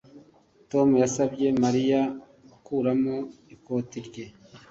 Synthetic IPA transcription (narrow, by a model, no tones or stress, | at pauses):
to̞mujasabɟe̞maɾija | ukuɾamo̞iko̞tiɾɟe̞